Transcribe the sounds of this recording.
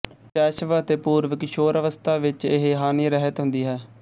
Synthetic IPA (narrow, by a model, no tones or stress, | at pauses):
t͡ʃɛːʃʋət̪eːpuːɾʋəkɪʃoːɾəʋəst̪ʰaːʋɪt͡ʃɪɦeɦaːniːɾɛːɦət̪ɦʊ̃nd̪iːɦɛː